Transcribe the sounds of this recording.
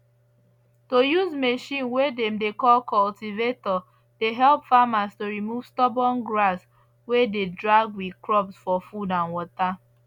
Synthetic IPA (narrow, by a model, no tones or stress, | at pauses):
tojuzmeʃĩnwedɛ̃mdekɔlkɔltivetɔ | deɦɛlpfamastoɾimuv̥stɔbɔ̃nɡɹas | wededɹaɡwikɹɔbsfɔfudãnwɔta